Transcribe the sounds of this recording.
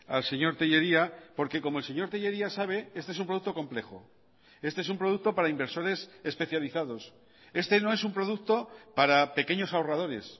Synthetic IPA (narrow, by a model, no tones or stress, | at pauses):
alse̞ɲo̞ɾt̪eʝe̞ɾiapo̞ɾke̞ko̞moelse̞ɲo̞ɾt̪eʝe̞ɾiasaβ̞e̞e̞st̪ees̬umpɾo̞ðukt̪oko̞mple̞xo̰ | e̞st̪eesumpɾo̞ð̞uk̚t̪o̞paɾaimbe̞ɾso̞ɾe̞se̞spe̞θjaliθaðo̞s | e̞st̪e̞no̞e̞sumpɾo̞ðukt̪o̞paɾape̞ke̞ɲo̞saorað̞oɾe̞̰s